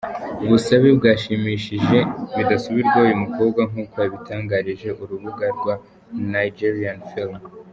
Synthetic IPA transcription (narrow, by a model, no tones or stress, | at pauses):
uβusaβibɡaːʃimiʃiʒe̞βidasuβiɾɡwaujumuko̞ːb̚ɡaŋuːko̞jaβitʰaːŋɡaɾiʒe̞ʔuɾuβuɡaɾɡwa | najid͡ʒiɾianfilm